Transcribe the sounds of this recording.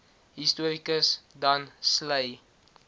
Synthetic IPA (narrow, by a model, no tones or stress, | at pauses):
ɦistuəɾikəsdɐnsləj